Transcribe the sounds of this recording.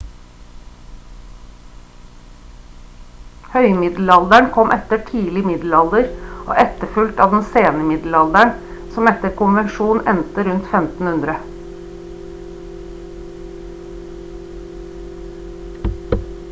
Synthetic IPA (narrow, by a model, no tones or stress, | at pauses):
hœʏmɪd̪l̩ɑld̪əɳkʰɔmʔɛt̪əʈʰiːlɪmɪd̪l̩ɑld̪əɾʔo̰ːʔɛt̪əfʉlt̪ɑːʋd̪ɛnseːnəmɪd̪l̩ɑld̪əɳ | sɔmɛt̪əɾkʊnʋənʃuːnɛnt̪əɾʉnt̪fɛmt̪n̩hʉnd̪ɾə